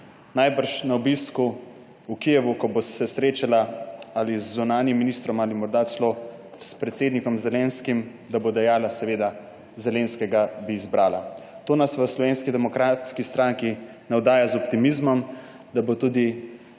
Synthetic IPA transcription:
najbəɾʃnaɔbisku | ukijɛʋukɔbosɛsɾeːt͡ʃalaalizːunaːnjimːinist̪ɾɔmalimɔɾd̪aslo | spɾɛt̪seːd̪nikɔmzɛleːnskim | d̪abod̪ɛjaːlasɛʋeːd̪a | zɛleːnskɛɡabiːzbɾaːla̰t̪oːnasʋəslɔʋeːnskid̪ɛmɔkɾaːt̪skist̪ɾaːŋki | nɛwd̪aːjazɔp̚t̪imizmɔm | d̪abot̪uːd̪i

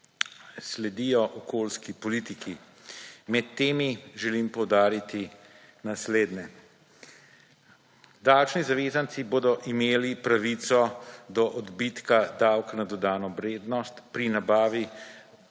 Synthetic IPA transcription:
slɛd̪ijɔʔɔkoːlskipɔlit̪iki | mɛt̪ːeːmiʒɛlimpɔwd̪aːɾit̪i | nasleːd̪nɛ | d̪awt͡ʃnizaʋeːzant̪siboːd̪ɔʔimeːlipɾaʋit̪sɔd̪ɔʔɔd̪bit̪kad̪awknad̪ɔd̪aːnɔʋɾeːd̪nɔst̪pɾinabaːʋi

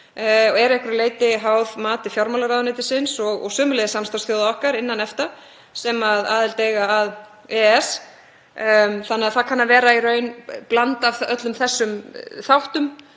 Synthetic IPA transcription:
ɔɛɾɛhkʏɾleːjt̪ɪɦawðmaːt̪ɪfjawɾmawlaɾaːðʏneːjt̪ɪsɪnsɔɣɔ̰ɣsœːmʏlɛðɪsamst̪asθjowðaɔhkaɾɪnːanɛft̪a | sɛmaða̰ːðɪlt̪eːjɣaːð | ɛɛs | θanːɛaðθaðkʰanːavɛːɾairœːɥnplant̪avœt̪lʏmθɛsːʏmθawht̪ʏm

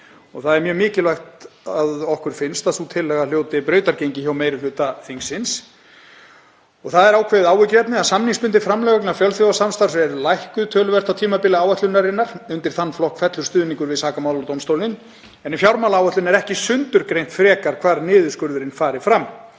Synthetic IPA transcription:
ɔɣθaðɛɾmjœːmɪːcɪlvajxt̪aðɔhkʏɾ̥fɪnst̪aðθut̪ʰɪlːɛːɣal̥joːwt̪ɪpɾœːɥt̪aɾcejɲcɪçaːwmejɾʏflʏːt̪aθiŋsːɪns | ɔɣθaðɛɾaːwkʰvɛːðɪðaːwɪcɾɛt̪nɪaðsamniŋspʏnt̪ɪfɾamlɛɣœknafjœlθjowvasamst̪aɾsɛɾlajhkʏðt̪ʰœːlʏvɛr̥t̪awt̪ʰiːmapɪlɪaːwɛht̪lʏnaɾɪnːaɾ̥ʏnt̪ɪɾ̥θanːflɔhkfɛt̪lʏɾst̪ʏːðniŋkʏɾvɪðsaːkamaːwlaɾt̪owmst̪owlɪn | ɛnifjawɾmaːlaaːwɛht̪lʏnɛɾɛhcɪsʏnt̪ʏɾkɾejn̥t̪fɾɛːkaɾ̥kʰvaːɾnɪːðʏskʏɾðʏɾɪnfaːɾɪfɾamː

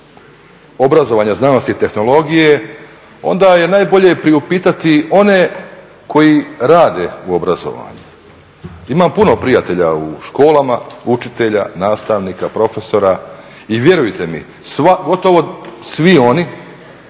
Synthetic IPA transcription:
o̞bɾazo̞ʋaɲaznano̞st̪it̪e̞xnolˠo̞ɡije | o̞̰nd̪aje̞naːjbo̞ʎe̞pɾiupiːt̪at̪io̞ne | kʰo̞jiɾaːd̪e̞uobɾazo̞̰ʋa̰ɲu | imampuno̞pɾijat̪e̞ʎa̰uʃko̞ːlˠamaut͡ʃit̪e̞ʎa̰naːst̪aʋniːkapɾo̞fe̞so̞ɾa | iʋje̞ɾujt̪e̞mḭ | sʋaɡo̞t̪o̞ʋo̞sʋio̞ni

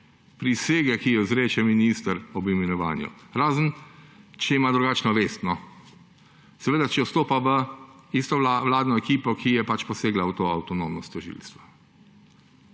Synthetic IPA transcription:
pɾiseːɡɛkijɔzɾeːt͡ʃɛminist̪əɾɔbimɛnɔʋa̰ːnjṵɾaːzənt͡ʃɛimaːd̪ɾuɡaːt͡ʃnɔʋeːst̪nɔ | sɛʋeːd̪at͡ʃɛɔst̪oːpaʋəist̪ɔʋlaːd̪nɔɛkiːpɔkʰijɛpat͡ʃpɔseːɡlaut̪oːa̰wt̪ɔnoːmnɔst̪ɔʒḭːlst̪ʋḁ

